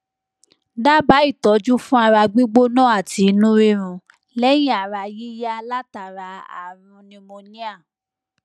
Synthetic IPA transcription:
da˦ba˨˦i˦˨tɔ˨˦d͡ʒu˦fũ˦a˧ɾa˧ɡ͡bi˦ɡ͡bo˦nɔ̃˦a˦˨ti˨˧nũ˦ɾi˦ɾ̃ũ˧ | lɛ˦j̃ĩ˦a˨ɾa˧ji˦ja˦a˧la˦ta˨ɾa˧a̰˨ɾ̃ũ˧nĩ˧mo˧nĩ˦a˦˨

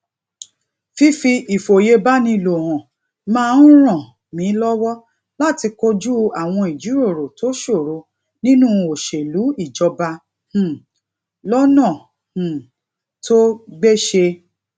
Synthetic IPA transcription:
fi˦fi˧i˨fo˨je˧ba˦nĩ˧˨lo˨hɔ̃˨ | mãː˦˧n̩˦ɾ̃ã˦˨ | mĩ˨˦lɔ˦wɔ˦ | la˦˨ti˧ko˧d͡ʒu˦a˨w̃ɔ̃˧i˨d͡ʒu˨˦ɾo˦˨ɾo˨to˦ʃo˦˨ɾo˨˧ | nĩ˦nũ˦o˨ʃe˨lu˨˦i˦˨d͡ʒɔ˧ba˧ | h̩˨ | lɔ˦nã˦˨ | h̩˨ | tʰo˦ɡ͡be˦ʃe˧

